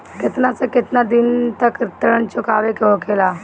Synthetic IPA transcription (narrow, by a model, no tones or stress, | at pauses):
kɪt̪nasekɪt̪nad̪ɪnt̪əkɾt̪əɾənt͡ʃʊkaːʋekeõkʰeːlaː